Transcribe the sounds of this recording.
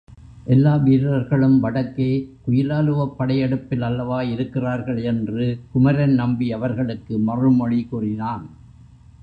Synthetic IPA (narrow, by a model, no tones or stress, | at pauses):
ʔɛlːaːʋiːɾɾɐɾɣɐɭɯmʋɐɽɐkːeːkʊjɪlaːlɯʋɐpːɐɽɐjɐɽɯpːɪlɐlːɐʋaːɪɾɯkːɪraːɾɣɐɭɛndrɯkʊmɐɾɐnnɐmbiɐʋɐɾɣɐɭɯkːɯmɐrɯmɔɻikuːrɪnaːn